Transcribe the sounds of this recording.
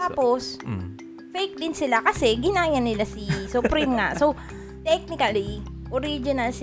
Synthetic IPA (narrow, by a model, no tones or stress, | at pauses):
t̪aːppos | fɛjk̚d̪ɪnsɪlakɐsɛɡɪnaːjɐnːɪlasɪsʊpɾimŋa̰ʔso | t̪ɛk̚nɪkɐliʔoɾid͡ʒɪnɐlsɪ